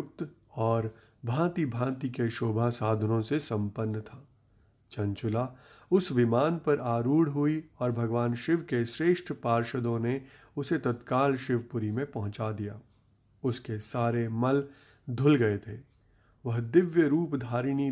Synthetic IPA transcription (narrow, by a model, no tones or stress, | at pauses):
k̚t̪ | ɔːɾ | bʱãːt̪ibʱãːt̪ikeʃoːbʱasaːd̪ʱənõsesɐ̃mpənːt̪ʰaː | t͡ʃɐ̃nt͡ʃʊlaʊsʋɪmaːnpɐɾaːɾuːɽɦʊiɔːɾbʱɐɡʋaːnʃɪʋkeʃɾeːʃʈʰpaːɾʃəd̪õneʊset̪ɐt̪kaːlʃɪʋpʊɾimẽpɐɦʊ̃t͡ʃad̪ijaː | ʊskesaːɾemɐl | d̪ʱʊlɡɐet̪ʰeː | ʋɐɦd̪ɪʋjəɾuːpd̪ʱaːɾiñi